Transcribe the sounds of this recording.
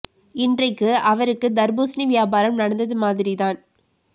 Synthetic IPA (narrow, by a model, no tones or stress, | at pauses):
ɪndrɐɪkːɯɐʋɐɾɯkːɯd̪ɐɾboːsniʋɪjaːbaːɾɐmnɐɽɐnd̪ɐðɯmaːðɪɾiðaːn